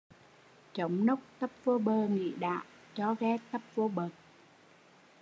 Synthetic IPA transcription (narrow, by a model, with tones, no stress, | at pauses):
t͡ɕə˨˦wŋ͡mnə˦˥wk͡p̚t̪ə˦˥p̚vo˧˦ɓəː˧ŋḭ˧˨ɗa̰ː˧˨w | t͡ɕɔ˧˦ɣɛ˧˦t̪ə˦˥p̚vo˧˦ɓə˨˩t̚